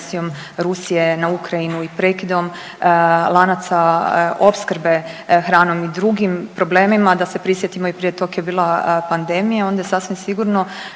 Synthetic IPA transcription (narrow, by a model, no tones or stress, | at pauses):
sijo̞m | ɾusije̞naukɾainuipɾe̞ːkid̪o̞m | lˠanat̪sao̞pskɾbe̞xɾaːno̞mid̪ɾuɡimpɾo̞bleːmimad̪asepɾisje̞t̪imo̞ipɾijet̪o̞kjebiːlˠapand̪emijao̞nd̪ajesasʋimsiɡuɾno̞